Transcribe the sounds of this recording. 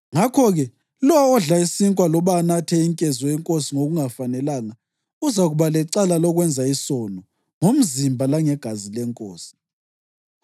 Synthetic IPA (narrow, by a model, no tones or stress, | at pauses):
ŋakʰɔɣɛ | lɔwːɮaisiŋkʼwalɔβanatʰɛiŋkʼɛzɔɛŋkʼosiŋoɣuŋafanɛlaŋa | uzaɣuβalɛǀalalɔɣwɛnd͡zʱaisɔnɔ | ŋom̩zimbʱalaŋɛɡ̥ʱazilɛŋkʼoːsi̥